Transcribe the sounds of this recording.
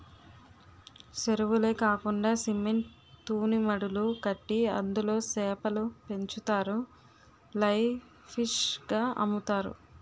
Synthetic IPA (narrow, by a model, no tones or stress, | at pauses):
seɾuʋule̞ːkaːkuɳɖaːsimeɳʈ | t̪uːnimɐɽulukɐʈːiɐ̰nd̪ulo̞ːsɛːpɐlupe̞ɲt͡ʃut̪aːɾu | lɐj | pʰiʂɡaːʔɐ̰mut̪aːɾṵ